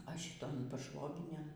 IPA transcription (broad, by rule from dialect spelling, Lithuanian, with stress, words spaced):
ɐ ʃʲɪtoːn pɐˈʃʋoːɡʲɪnʲeːn